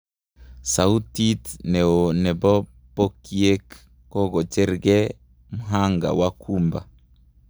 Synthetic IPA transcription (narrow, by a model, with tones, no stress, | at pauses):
sa˨u˦ti˦tnɛ˨o˨nɛ˨bɔ˦ | po˦kie˦k | kɔ˦ɡɔ˨t͡ʃɛ˦ɾɡɛ˦ | mu˦ɦa˦ŋɡa̰˨wakʰumba̰˨